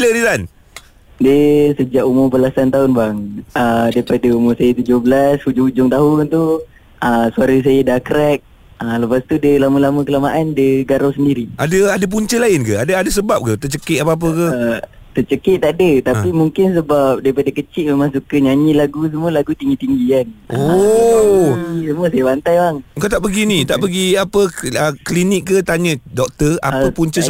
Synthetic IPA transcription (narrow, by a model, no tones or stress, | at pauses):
lənit̪an | diəsəd͡ʒaʔumʊrpəlasant̪aʊnbaŋədaipadaumʊrsajat̪ud͡ʒohbəlashud͡ʒʊŋud͡ʒʊŋt̪aɦʊnt̪u | ʔəsuaɾəs̬ajədakɾɛk̚ | ələpast̪udəlaməlaməkəlamaʔandəɡaɾawsəndiɾiadəadap̬uɲt͡ʃəlaɪnkəadaadəs̬əbap̚kət̪ət͡ʃəkɪapaap̬əkə | t̪ət͡ʃəkət̪̚ːaʔadət̪apimuŋkɪns̬əbap̚daipadakət͡ʃɪʔ̚memaŋsukəɲaɲilaɡus̬əmuəlaɡut̪iŋɡit̪iŋɡikano | səmuəsajabant̪ajbaŋəŋkawt̪aʔpəɡinĩt̪aʔpəɡiapəəklinik̚ːət̪aɲə̃dɔk̚t̪əa̰əpuɲt͡ʃə